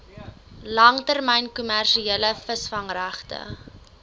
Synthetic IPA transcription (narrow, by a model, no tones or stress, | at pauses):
lɐŋtærmɛjnkumærʃieləfəsfɐŋræχtə̰